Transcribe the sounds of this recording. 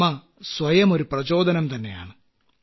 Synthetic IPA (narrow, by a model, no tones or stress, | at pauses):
ɐ | sʋɐjɐmo̞ɾuprɐt͡ɕo̞ːd̪ʱɐnɐmt̪ɐnːe̞̰ja̰ːɳɨ